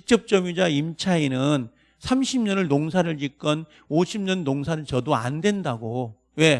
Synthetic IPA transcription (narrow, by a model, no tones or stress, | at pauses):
ik̚t͡ɕ͈ʌp̚t͡ɕ͈ʌmjud͡ʑaimt͡ɕʰainɯn | sʰamɕʰimɲʌnɯɭnoŋs̬ʰaɾɯɭt͡ɕik͈ʌn | oɕʰimɲʌnːoŋsʰaɾɯɭt͡ɕʌdoa̰ndwe̞ndaɡo | we̞